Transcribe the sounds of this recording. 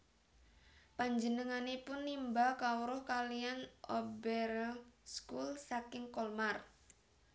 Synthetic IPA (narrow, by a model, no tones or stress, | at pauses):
paɲd͡ʒənəŋanepʊnːimbalkauɾɔhkalianʔɔbɛrskulsakɪŋkɔlmar